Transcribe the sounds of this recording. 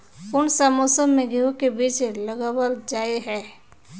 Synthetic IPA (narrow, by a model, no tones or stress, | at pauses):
ʊnsamoːsəmːẽɡiõkebiːt͡ʃeləɡəwəld͡ʒaːeɦɛː